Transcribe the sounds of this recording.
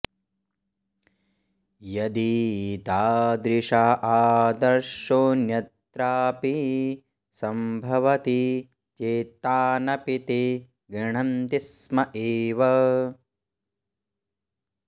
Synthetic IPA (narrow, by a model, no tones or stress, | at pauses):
jɐd̪it̪aːd̪ɾiʂaʔaːd̪ɐɾʂoːnjɐt̪ɾaːpi | sɐmbʱɐʋɐt̪i | t͡ʃeːt̪aːnɐpit̪i | ɡɾɐɳɐnt̪ismɐʔeːʋɐ